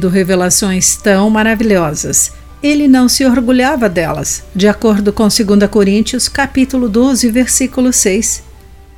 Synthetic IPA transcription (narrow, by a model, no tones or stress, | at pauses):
d̪ʊɦevelasõj̃st̪ɐ̃w̃maɾaviʎɔzɐs | elɪnɐ̃w̃sɪoɾɡuʎavɐd̪ɛlɐ̰sd͡ʒɪakoɾd̪ʊkõw̃seɡũnd̪ɐkoɾĩnt͡ʃiʊskapit̪ulʊd̪ozɪveɾsikulʊsejs